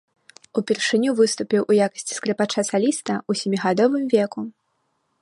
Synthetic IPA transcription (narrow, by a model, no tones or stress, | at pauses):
upʲɛrʂɨnʲuvɨst̪upʲiwʔujakɐ̥sʲt͡sʲi̥skɾɛpat͡ʂasalʲist̪ɐusʲɛmʲiɣad̪ɔvɨmvʲɛku